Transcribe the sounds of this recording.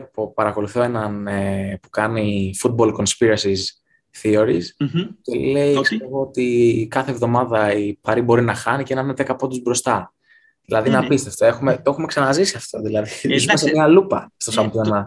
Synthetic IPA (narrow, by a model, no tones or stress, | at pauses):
popɐɾɐko̞luθo̞e̞nɐnepu̥kɐnifut̪̚bo̞lko̞nspiɾɐsis | θio̞ɾisce̞le̞iist̪evoot̪ikɐθe̞ːvðo̞mɐðɐipɐɾibo̞ɾinɐxɐnicenɐɾnet̪e̞kɐpo̞d̪uzbɾo̞st̪ɐ | ðilɐðinɐpist̪e̞ft̪o̞e̞xume̞t̪oe̞xume̞ksɐnɐzisiɐft̪o̞ðilɐðiiimɐsemiɐlupɐ̰st̪o̞sɐmplɐnɐ